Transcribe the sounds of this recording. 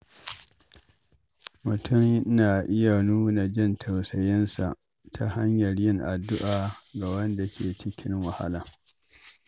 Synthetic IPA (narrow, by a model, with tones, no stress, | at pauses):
mʊ˨tʰʊ˦˨mʔɪ˦naː˨ʔɪ˦ja˨nuː˦na˨d͡ʒɪ˦ntʰa˨wsɐ˨jɪ˦nsa̰˨ʔ | tʰa˨ha˦ɲjɐ˨rjɪ˦ŋʔa˨dːʊ˦ʔaː˨ɡa˨wɐ˦nda˨kʲʰeː˨t͡ʃɪ˦kʲʰɪ˦ŋwa˨ha̰˦lɐ˨